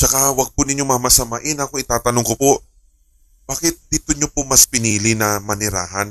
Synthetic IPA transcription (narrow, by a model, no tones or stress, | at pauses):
t͡ʃɐkawɐɡ̚pʊnɪɲo̞mɐmɐsɐmaʔɪnɐkoɪt̪aːt̪ɐnoŋkopoʔ | baːkɪt̪̚d̪it̪ʊɲopomɐspɪniːlɪnɐmɐnɪɾa̰ːɦɐn